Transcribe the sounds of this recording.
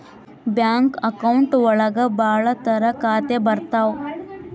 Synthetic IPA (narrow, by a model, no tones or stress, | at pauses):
bjaŋkəkauɳʈʋəɭəɡəbaːɭət̪əɾəkaːt̪ebɐɾt̪aw